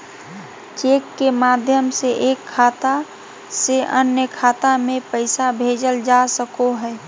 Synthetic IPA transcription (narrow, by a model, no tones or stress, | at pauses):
t͡ʃekːemad̪ʱjəmseʔeːkʰːaːt̪a | seʔənjəkʰaːt̪amẽpəɪsabʱed͡ʒəld͡ʒasəkoɦɛː